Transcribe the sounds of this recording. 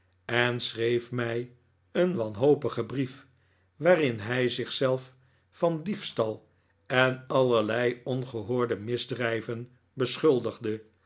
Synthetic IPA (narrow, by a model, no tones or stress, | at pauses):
ɛnsrejfmɛj | ənʋɑnɦowpəχəbrif | ʋaːrɪnɦɛjzɪχsɛlˠf | fɑndifstɑlˠ | ɛnɑlˠəɹlɛjɔnχəɦʊːɹdəmɪzdrɛjvən | bəsχɵlˠdəχdə